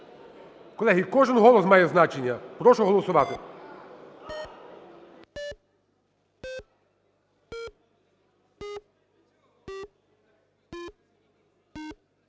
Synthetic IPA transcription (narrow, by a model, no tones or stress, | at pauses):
kɔlˠɛɦʲikɔʒɪnɦɔlˠɔsmɑjɛznat͡ʃenʲːɐpɾɔʃʊɦɔlˠɔsʊʋɑt̪ɪ